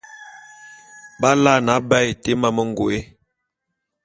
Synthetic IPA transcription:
ba˦la˦˨na˨˦bɛ˦˨jte˦ma˨mə˦ŋ˨ɡo˨e˦

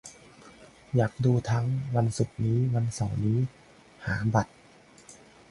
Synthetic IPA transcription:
jaː˨˩k̚duː˧t̪ʰa˦˧˥ŋwa˧nsu˨˩k̚niː˦˥wa˧nsa˨˩wniː˦˥ | haː˩˦ba˨˩t̪̚

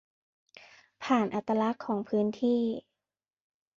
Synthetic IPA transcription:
pʰaː˨˩nʔa˧˩t̪ːa˧la˦˥kʰːɔː˩˦ŋpʰɯː˦˥nt̪ʰiː˥˩

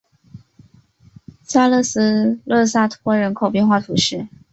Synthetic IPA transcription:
sa˥lɤ˥˩s̩˥lɤ˥˧sa˥˩t̪ʰwɔ˥ɻə˧˥nkʰo˨˩ʊpjɛ˥˧nxwa˥˩t̪ʰu˨˩ʂɻ̩˥˩

